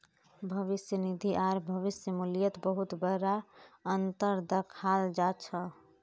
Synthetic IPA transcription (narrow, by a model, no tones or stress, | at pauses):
bʱəʋisjənid̪ʱiʔaɾbʱəʋisjəmulijət̪bəɦut̪bəɾaənt̪əɾd̪əkʰald͡ʒat͡ʃʰə